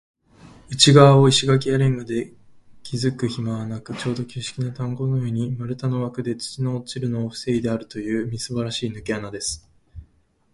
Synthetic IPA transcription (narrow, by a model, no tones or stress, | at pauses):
ɯ̟t͡ɕiɡaβao̞iɕiɡak̬ʲiaɾẽ̞ŋɡod̪e̞ | kʲʰizɨkɯ̟çimaβanakɯ̟t͡ɕo̞ːd̪o̞kʲɨːɕi̥kʲinat̪ãŋɡo̞nojoɲ̟imaɾɯ̟t̪ano̞βakɯ̟d̪e̞t͡sɨ̥t͡ɕino̞ːt͡ɕiɾɯ̟no̞ːɸɯ̟̥se̞id̪e̞aɾɯ̟t̪o̞jɯ̟ːmʲisɨbaɾaɕiːnɯ̟keanad̪e̞sɨ̥